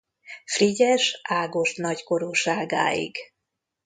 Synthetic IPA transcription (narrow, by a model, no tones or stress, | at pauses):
friɟɛʃaːɡo̞ʃnɒcko̞ɾuʃaːɡa̰ːḭɡ